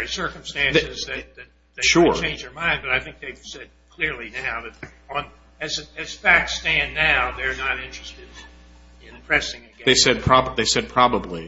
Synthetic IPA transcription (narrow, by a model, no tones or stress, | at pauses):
isɜ˞km̩stæ̃nsɨzðɨt̪̚ðɨt̪̚ | ðeɪʃʊɹt͡ʃʰẽɪ̃nd͡ʒðə˞mãɪ̃ndbʌɾaɪθɪ̃ŋk̚ðeɪv̥sɛd̚kʰl̥ɪɹlinaʊðɨɾ | ə̃n | ɨzɨz̥fæk̚tstæ̃nːaʊðə˞nəɾɪ̃nt͡ʃɹ̥ɨstɨɾ | ɪ̃npʰɹ̥ɛsɪ̃ŋɨɡɛðeɪsɛd̚pʰɹ̥ɑbðeɪsɛd̚pʰɹ̥ɑbəbli